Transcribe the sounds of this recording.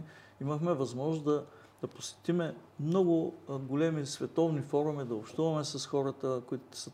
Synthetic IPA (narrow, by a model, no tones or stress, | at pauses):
iməxmɛvɐzmɔʒnoszd̪ɐ | d̪̥ɐposɛ̥t̪imɛmnɔɡʊɡolɛmisvɛt̪ɔvnifɔɾʊmid̪ɐopʃt̪uvɐmɛsɐsxɔɾət̪əkʊit̪sə